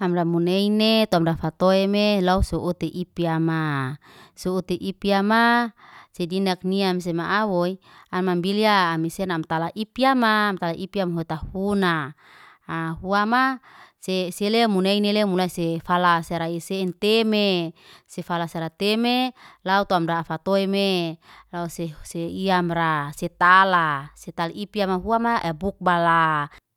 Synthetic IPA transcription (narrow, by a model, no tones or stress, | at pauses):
amdamuneinet̪oamdafat̪oemelausoʔut̪eʔipiama | sout̪eʔipiamasedinak̚niams̬emaʔawoi | anmambiliaːmisenamt̪alaʔipiamaːmt̪alaʔipiamɦuet̪ahunaː | huamaseselemuneinelemulaisefalaseɾaisent̪emesefalasaɾat̪emelaut̪oamdaːfat̪oemelauseseiamraset̪alaset̪alʔipiamaɦuamaʔebuk̚bala